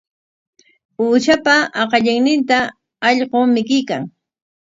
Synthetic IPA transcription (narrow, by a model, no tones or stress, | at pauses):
uːʃapaɑqɑʎɪŋnɪnt̪a | ɑʎɢomɪkɪjkaŋ